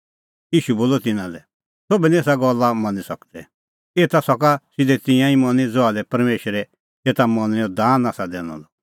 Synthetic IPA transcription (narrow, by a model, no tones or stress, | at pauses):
jiːʃuboːlɔt̪ɪnãlɛ | sobɛnieːsaɡɔlːamɔ̃nisɐkd̪ɛ | eːt̪asɔkasɪd̪ɛt̪ɪ̃jãĩmɔ̃nid͡zɔalɛpɐɾmeːʃɾɛ | et̪amɔniɔd̪aːnaːsad̪ɛːñɔ̰lɔ